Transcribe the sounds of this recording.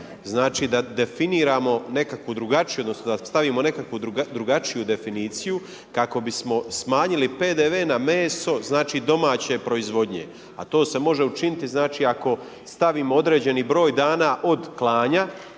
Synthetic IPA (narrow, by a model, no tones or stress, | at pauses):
znaːt͡ʃiːd̪ad̪e̞finiːɾaːmo̞ne̞kakʋud̪ɾuɡat͡ʃijuo̞d̪nosnod̪ast̪aʋiːmo̞ne̞kakʋud̪d̪ɾuɡat͡ʃijud̪e̞finiːt̪siju | kako̞bismo̞smaːɲilipe̞ːd̪eʋe̞ːname̞ːso̞znaːt͡ʃid̪o̞maːt͡ɕe̞pɾo̞izʋo̞d̪ɲe | a̰t̪o̞ːse̞mo̞ʒe̞ut͡ʃinit̪iznaːt͡ʃiːako̞ | st̪aʋiːmo̞o̞d̪ɾeːd͡ʑe̞niːbɾo̞ːjd̪aːnaʔo̞d̪klˠaːɲa